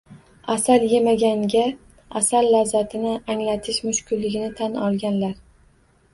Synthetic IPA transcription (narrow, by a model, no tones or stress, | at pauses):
asalje̞maɡʲaŋɡʲa | asalːawzat̪ʰɪnɪaŋlat̪ʰɪʃmʊʃkʲʊllːɪɡʲɪnɪt̪ʰanɒlˠɡʲanlaɾ